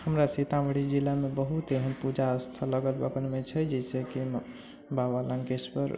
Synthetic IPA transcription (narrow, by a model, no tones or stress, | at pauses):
həmɾasit̪aməɽid͡ʒilamebəɦut̪eɦənpud͡ʒaəst̪ʰələɡəlbə̰kənmet͡ʃʰɛd͡ʒɛiseki | bawaləŋkespə̰ɾ